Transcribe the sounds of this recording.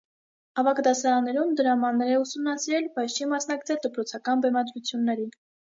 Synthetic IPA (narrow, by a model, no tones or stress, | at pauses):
ɑvɑkd̪ɑsɑɾɑnːɛɾumd̪əɾɑmɑnːɛɾɛusumnɑsiɾɛlbɑjt͡sʰt͡ʃʰimɑsnɑkt͡sʰɛld̪əpɾɔt͡sʰɑkɑnbɛmɑd̪ɾut͡sʰjunːɛɾin